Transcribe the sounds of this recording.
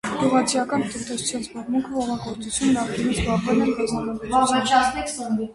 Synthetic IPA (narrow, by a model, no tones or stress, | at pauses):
ɡ̥uʁɑt͡sʰijɑkɑnt̪ənt̪ɛsu̥t͡sʰjɑnzbɑrmuŋkʰəvɔʁɑɡɔɾt͡sut͡sʰjunːɑχkinit͡sʰbɑʁvɛlɛkɑzɑnɔst̪ɛks